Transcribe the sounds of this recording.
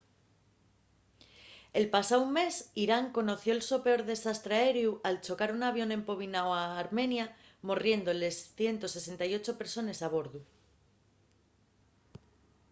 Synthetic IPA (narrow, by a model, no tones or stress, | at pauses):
e̞lpasaumːe̞siɾaŋko̞no̞θjo̞elso̞pe̞o̞ɾðe̞sast̪ɾeaeɾjuʔalt͡ʃo̞kaɾunaβjo̞ne̞mpo̞β̞inawaːɾmẽ̞nja | mo̞rje̞nd̪ole̞sθje̞nt̪o̞se̞se̞nt̪ajo̞t͡ʃo̞pe̞ɾso̞ne̞saβ̞o̞ɾðu